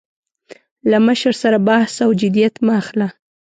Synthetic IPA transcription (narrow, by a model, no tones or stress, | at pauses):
laməʃəɾsaɾabahsawd͡ʒɪd̪ijat̪maxla